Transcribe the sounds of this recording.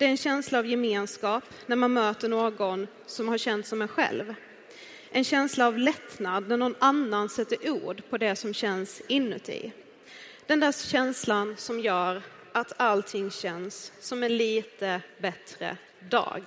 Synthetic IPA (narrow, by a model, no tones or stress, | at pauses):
d̪̥ɛæɾɛnɕɛnslaːvjɛmeːnskɑːp | næɾmanmøːt̪əɳoːɡɔn | sɔmhaɾɕɛnt̪sɔmɛɧɛ̰lv | ʔɛnɕɛnslaːvlɛt̪nad̪næɳɔnanːansɛt̪ːəɾʔuːɖpʰɔd̪ɛsɔmɕɛnsɪnːɵ̰t̪ɪ̰ | d̪̥ɛnd̪æːʂɕɛnslansɔmjœːɾ | at̪ʰalt̪ʰɪŋːɕɛnsːɔmɛnliːt̪əbɛt̪ɾə̰ | d̪ɑ̰ːɡ